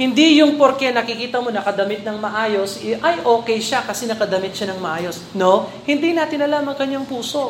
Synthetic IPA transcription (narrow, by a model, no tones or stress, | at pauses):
hɪnd̪ijʊŋpoɾkɛnɐkɪkiːt̪ɐmo̞nɐkɐd̪ɐmɪt̪̚nɐŋmɐʔaːjo̞sʔɐjʔo̞ːkɛjʃakɐsɛnɐkɐd̪ɐmɪt̪̚ʃanɐŋmɐʔaːjo̞s | no̞ | hɪnd̪inaːt̪ɪnːɐlaːmɐŋkɐɲːaŋpuːso̞